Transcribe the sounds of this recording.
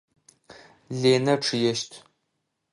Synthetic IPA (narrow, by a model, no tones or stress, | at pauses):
ɮeːnɐʈ͡ʂʰɨjɛʃtʰ